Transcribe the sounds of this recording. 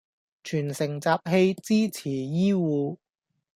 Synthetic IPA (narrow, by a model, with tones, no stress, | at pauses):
t͡ʃʰyː˨˩nsɪ˨˩ŋt͡saː˧p̚ɦe˧jt͡siː˥t͡sʰiː˨˩jiː˥wuː˨˧